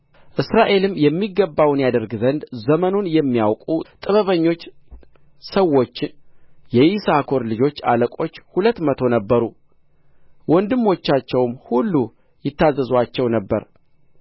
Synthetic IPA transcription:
ʔɨsɾaʔe̞lɨmjɛmːiɡəbːawnjad̪əɾɡzənd̪zəmənunjɛmːijawkʼut̪ʼɨβəβəɲːo̞t͡ʃː | səwːo̞t͡ʃːjɛjisakʰo̞ɾlɨd͡ʒo̞t͡ʃːaləkʼo̞t͡ʃːhulət̪ːmət̪ʰo̞nəbːəɾu | wɔnd̪ɨmːo̞t͡ʃːat͡ʃːɛwmhulːu | jɪt̪ːazːəzat͡ʃːɛwnəbːə̰ɾ

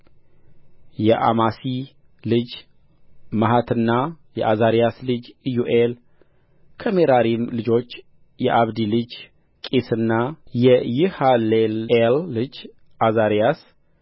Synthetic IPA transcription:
jɛʔa̰masi | lɨd͡ʒ | maɦat̪ʰɨnːajɛ̰ʔazaɾijaslɨd͡ʒjuʔel | kʰəmeɾaɾimlɨd͡ʒo̞t͡ʃː | jɛʔaβd̪ilɨd͡ʒ | kʼesɨnːajɛjɨhallelːɨd͡ʒ | ʔazaɾijas

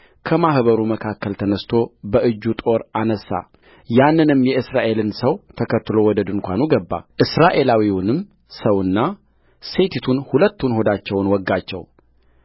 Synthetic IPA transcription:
kʰəmahβəɾuməkʰakːəlt̪ʰənəst̪ʰo̞bəʔɨd͡ʒːut̪ʼo̞ɾanəsːa̰ | janːɨnɨmːjɛɨsɾaʔe̞lɨnsəwt̪ʰəkʰət̪ːɨlo̞wɔd̪əd̪ɨnkʷanuɡəbːa̰ʔɨsɾaʔe̞lawiwunɨm | səwɨnːa | se̞t̪ʰit̪ʰunhulət̪ːunho̞d̪at͡ʃːɛwnwɔɡːat͡ʃːɛ̰w

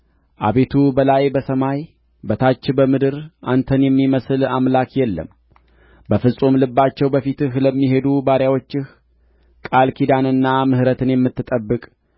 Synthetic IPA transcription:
ʔa̰βe̞t̪ʰubəlajbəsəmaj | bət̪ʰat͡ʃːbəmɨd̪ɨɾʔa̰nt̪ʰənjɛmːiməsɨlamlakjɛlːə̰m | bəfɨsʼumlɨbːat͡ʃːɛwbəfit̪ɨhləmːiɦe̞d̪ubaɾjawo̞t͡ʃːɪh | kʼalkʰid̪anɨnːamɨhɾət̪ʰɨnjɛmːɨt̪ːɨt̪ʼəbːɨkʼ

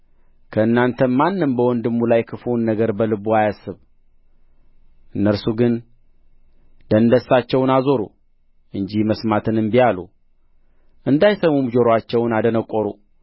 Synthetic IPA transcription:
kʰəɨnːant̪ʰəmanːɨmbəwɔnd̪ɨmːulajkʰɨfunːəɡəɾbəlɨbuajasːɨβ | ʔɨnːəɾsuɡɨn | d̪̥ənd̪əsːat͡ʃːɛwnazo̞ɾṵ | ʔɨɲd͡ʒiməsmat̪ʰɨnɨmbijalṵ | ʔɨnd̪ajsəmumd͡ʒo̞ɾwat͡ʃːɛwnad̪ənəkʼːoɾu

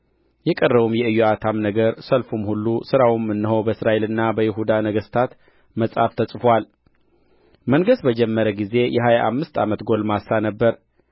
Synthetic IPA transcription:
jɛkʼərːəβumjɛɨjːoat̪ʰamnəɡəɾsəlfumhulːusɨɾawimːɨnːɨɦowbəɨsɾaʔe̞lɨnːabəjɪɦud̪anəɡəst̪ʰat̪ | məsʼa̰ft̪ʰəsʼfwal | məŋɡəsbəd͡ʒɛmːəɾəɡize̞jʔɛɦajaʔa̰mːɨst̪ʰamət̪ɡo̞lmasːanəbːəɾ

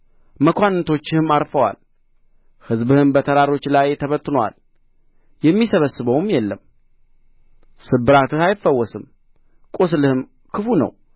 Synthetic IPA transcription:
məkʷanːt̪ʰo̞t͡ʃːɪhɨmaɾfəwa̰l | hɨzbɨhɨnbət̪ʰəɾaɾo̞t͡ʃːlajt̪ʰəβət̪ʼːɨnowa̰l | jɛmːisəβəsːɨβəwmjɛlːəm | sɨbːɨɾat̪ɨhajɪfəwːɔsɨm | kʼus̬lɨhɨm | kʰɨfunə̰w

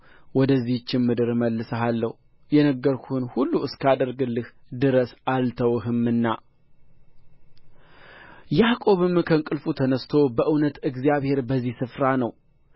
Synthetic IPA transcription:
wɔd̪əzːiht͡ʃːɪnmɨd̪ɨɾməlːɨsəɦalːəhu | jɛnəɡːəɾkʰuhɨnhulːuɨskʰad̪əɾɡɨlːɨhd̪ɨɾəsalt̪ʰəwɦɨmːɨnːa | jakʼo̞βɨmkʰəŋkʼɨlfut̪ʰənəst̪ʰo̞bəʔɨwnət̪ɨɡzijaβhe̞ɾbəzːihsɨfɾanəw

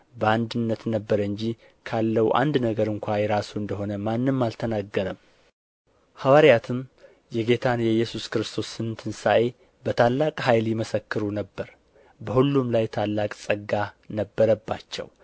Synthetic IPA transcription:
bəand̪ɨnːət̪nəbːəɾɨɲd͡ʒi | kʰalːəwuʔa̰nd̪nəɡəɾɨŋkʷajɛɾasuɨnd̪əɦo̞nəmanːɨmːalt̪ʰənaɡːəɾəm | hawaɾjat̪ʰɨm | jɛɡe̞t̪ʰanjɛjːɛsuskɨɾɨst̪ʰo̞sːɨnɨnt̪ʰɨnsaʔe̞ | bət̪ʰalːakʼhajljɛməsəkːɨɾunəbːəɾ | bəhulːumlajt̪ʰalːakʼsʼəɡanəbːəɾəbːat͡ʃːɛ̰w

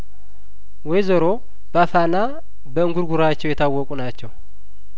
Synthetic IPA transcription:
wɔjzəɾo̞ | b̥afana | bəɨŋɡuɾɡuɾat͡ʃːɛwjɛt̪ʰawːɔkʼunat͡ʃːɛw

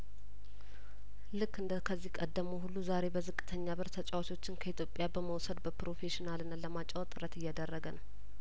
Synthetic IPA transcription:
lɨkːɨnd̪əkʰəzːihkʼəd̪ːəmuɦulːuzaɾe̞bəzɨkʼːɨ̥t̪ʰəɲːaβɨɾt̪ʰət͡ʃʼawt̪ʰo̞t͡ʃːɪnkʰəit̪ʰjopʼːjabəməwsəd̪bəpɾo̞fe̞ʃinalɨnːaləmat͡ʃʼawt̪ʼɨɾət̪ɨjːad̪ərːəɡənəw

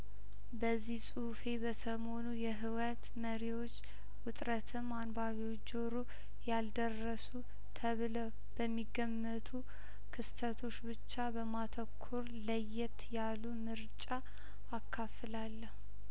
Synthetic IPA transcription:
bəzːihsʼufe̞bəsəmo̞nujɛɦɨwət̪məɾiwo̞t͡ʃː | wʊt̪ʼɾət̪ʰɨmːanbaβiwot͡ʃːd͡ʒoɾu | jald̪ərːəsu | t̪ʰəβləw | b̥əmːiɡːəmːət̪ʰu | kʰɨst̪ʰət̪ʰo̞t͡ʃːbɨt͡ʃːabəmat̪ʰəkʰːuɾləjːɛt̪jalumɨɾt͡ʃʼaː | kʰːafɨlalːəhu

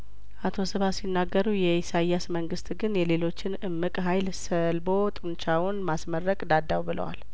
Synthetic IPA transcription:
ʔat̪ʰo̞sɨβasinːaɡːəɾujɛisajasməŋɡɨst̪ʼɡɨnjɛle̞lo̞t͡ʃːɪnɨmːɨkʼɦajlsəlbo̞t̪ʼɨnt͡ʃawʊnmasmərːəkʼd̪ad̪ːawbɨlʔə̰wa̰l

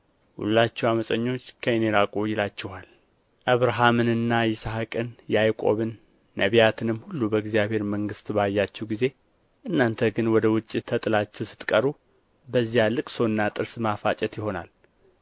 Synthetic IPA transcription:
hṵlːat͡ʃːɛwaməsʼəɲːo̞t͡ʃːkʰəeneɾakʼojːɪlat͡ʃːɛhal | ʔəβɾaɦamɨnɨnːajɪsahakʼɨnjɛajkʼo̞βɨnː | əβijat̪ʰɨnɨmhulːubəɡzjaβhe̞ɾməŋɡɨst̪bajːat͡ʃːɛwɡize̞ | ʔɨnːant̪ʰəɡɨnwɔd̪əwʊt͡ʃʼːit̪ʰːət̪ʼɨlat͡ʃːɛwsɨ̥t̪ʼkʼəɾu | bəzːijalɨkʼso̞nːat̪ʼɨɾsmafat͡ʃʼɛt̪jɪho̞na̰l

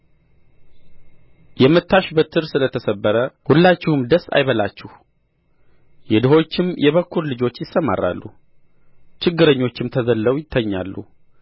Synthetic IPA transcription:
jɛmːɨt̪ʰːaʃbət̪ʰɨɾsɨlət̪ʰəsəbːəɾəhulːat͡ʃːɪhumd̪əsːa̰jβəlat͡ʃːɪh | jɛd̪ɨɦo̞t͡ʃːɪmjɛβəkʰːuɾlɨd͡ʒo̞t͡ʃːjɪsːəma̰rːa̰lːṵ | t͡ʃɪɡːɨɾəɲːo̞t͡ʃːɪmt̪ʰəzəlːəwjɪt̪ʰːəɲːalːṵ

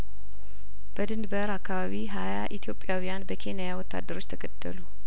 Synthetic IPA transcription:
b̥əd̪ɨnd̪bəɾakːaβaβiɦajaʔit̪ʰijo̞pʼːjawijanbəkʰe̞najawɔt̪ːa̰d̪ːəɾot͡ʃːt̪ʰəɡəd̪̥ːə̰lu

